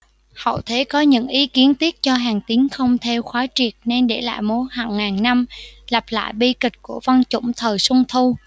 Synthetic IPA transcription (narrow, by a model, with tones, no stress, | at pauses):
hə̰˧˨wt̪ʰe˨˦kɔ˨˦ɲɨ̰˧˥ŋʔi˨˦ki˨˦ənt̪i˦˥ət̚t͡ɕɔ˧ɦaː˨˩ŋt̪i˨˦əŋxə˧wŋ͡mt̪ʰɛ˧wxwaː˨˦t͡ɕi˨˩ək̚ne˧nɗe˧˩la̰ː˧˨jmo˨˦jhaː˧˩ŋːaː˨˩nna˧mla˨˩p̚la̰ː˧˨jɓi˧kï̟˨˩ku˧˩əva˧nt͡ɕʊ̰˧˩˨ŋ͡mt̪ʰəː˨˩jsʊ˧ŋ͡mt̪ʰu˧